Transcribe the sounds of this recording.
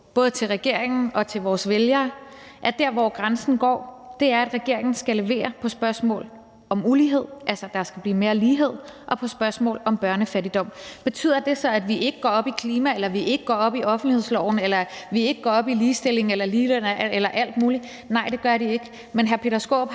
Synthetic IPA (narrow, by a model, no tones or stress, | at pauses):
b̥ɔ̽ːð̞ˠət͡sʰe̝lʁɛɡ̥e̝ɐ̰eŋn̩ɒ̽t͡sʰe̝lʋɒːsʋeljɐːʔæɐd̥æɐ̰ʋɒ̰ːɡ̥ʁansn̩ɡ̥ɒ̰ːd̥e̝æɐæd̥ʁɛɡ̥e̝ɐ̰e̝ŋn̩sɡ̥æle̝ʋe̝̰ːɐpʰɒ̽sb̥ɶɐsmɔ̰ːl | ɒ̽muliɦe̝ð̞̰ˠʔælsɐd̥ɑ̈sɡ̥æb̥liːme̝ːɐliːɦe̝ð̞̰ˠʔɒ̽pʰɒ̽sb̥ɶɐsmɔ̰ːlɒ̽mb̥ɶɐnəfæɾid̥ɒ̽m̰b̥e̝t͡sʰy̰ð̰ˠɐd̥e̝sɒ̽æd̥ʋiʔe̝ɡ̥əɡ̥ɒ̰ɒ̽b̥ikʰliːmæelɐʋiʔe̝ɡ̥əɡɒ̰ɒ̽b̥iʔɒ̽fn̩dlihe̝ð̰ˠslɒʊ̰n̩elɐʋie̝ɡ̥əɡ̥ɒːɒ̽b̥iliːsd̥e̝le̝ŋ̩elɐliːd̥enelɐʔæl̰d̥muːli | nɑ̈ɪd̥e̝ɡ̥ɶɐɾie̝ɡ̥ə | menɦæɐpʰe̝ːɾɐsɡ̥o̰ːb̥